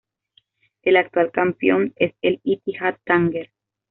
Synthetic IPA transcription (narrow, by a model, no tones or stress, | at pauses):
elak̚t̪walkampjoneselit̪ihat̪ːaŋɡeɾ